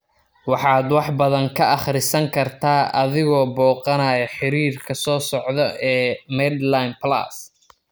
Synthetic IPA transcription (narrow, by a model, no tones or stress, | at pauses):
wɑħɑːd̪wɑħbɐðɐŋkʰɐʔɑχɾɪsɐŋkʰɐrt̪ʰaːʔɐ̰ðɪɣɔːbɔːqɑnɐjɐħɪɾiːrkʰɐsɔːsɔʕðɔʔɛːmɛd̪lajnpla̰ːs